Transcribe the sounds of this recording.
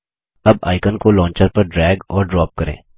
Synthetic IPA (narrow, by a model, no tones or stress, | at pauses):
ɐba̰ːɪkənkolɔ̃ːnt͡ʃəɾpɐɾɖɾɛːɡɔːɾɖɾɔːp̚kɐɾḛ̃ː